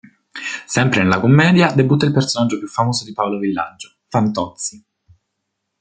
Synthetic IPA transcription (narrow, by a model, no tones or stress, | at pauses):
sɛmpɾenelakomːɛːd̪jad̪ebut̪ːailpersonadd͡ʒːopjufːamoːzod̪ipaolovilːa̰d͡ʒo | fant̪ɔt̪si